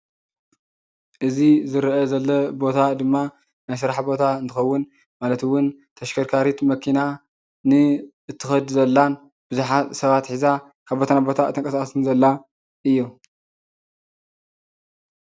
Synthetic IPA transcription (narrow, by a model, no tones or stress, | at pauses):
ʔɨzizɨɾʔɐzɐlːɐbo̞t̪ʰad̪ɨmːa | najs̬ɨɾaħbo̞t̪ʰaɨnt̪ʰɨxɐwːʊn | malɐt̪ɨwʊnt̪ʰɐʃkʰɐɾkʰaɾit̪mɐkʰina | nɨ | ɨt̪ʰːɨxɐd̪zɐlːan | b̥ɨzuħat̪sɐβat̪ħiza | kʰaβbo̞t̪anajbo̞t̪ʰat̪ʰɐŋkʼɐsaʔʼsɨnzɐlːa | ʔɨjːu